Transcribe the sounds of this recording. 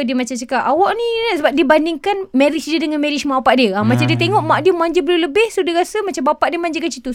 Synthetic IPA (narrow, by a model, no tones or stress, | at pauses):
diəmat͡ʃamt͡ʃəkapawɔʔnĩsəbap̚diəbandɪŋkanmẽɾit͡ʃdiədəŋanmɛɾit͡ʃmaʔapaʔdiəamat͡ʃamdiət̪eŋɔʔmaʔdiəmaɲd͡ʒəbəluləbɪhsudiɾasəmat͡ʃambapaʔdiəmaɲd͡ʒəkat͡ʃit̪us